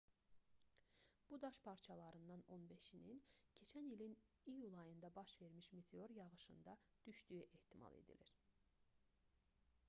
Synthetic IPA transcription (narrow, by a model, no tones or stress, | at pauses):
b̥ud̪ɑʃpʰɑɾt͡ʃʰɑlˠɑɾɯnd̪ɑno̞nbe̞ʃinincʰe̞t͡ʃʰænilinijulˠɑjɯnd̪ɑbɑʃve̞ɾmiʃmet̪ʰeo̞ɾjɑʁɯʃɯ̰nd̪ɑd̪̥yʃd̪yjyʔeht̪ʰimɑ̰lˠe̞̰d̪ḭliɾ